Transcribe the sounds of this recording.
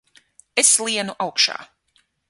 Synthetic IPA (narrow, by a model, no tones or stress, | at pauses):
eslˠiɛnuʔawkʃa̰ː